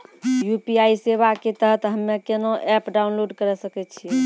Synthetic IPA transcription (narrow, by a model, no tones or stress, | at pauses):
jupiaiseβaket̪əɦət̪ɦəmːekenoʔɛpɖaunloɖkəɾɛsəkɛt͡ʃʰiɛ